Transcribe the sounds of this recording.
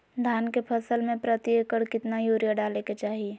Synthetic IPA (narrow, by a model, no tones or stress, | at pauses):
d̪ʱaːnkepʰəsəlmẽpɾət̪iəkəɽkɪt̪najoːɾijaɖaːleket͡ʃaːɦi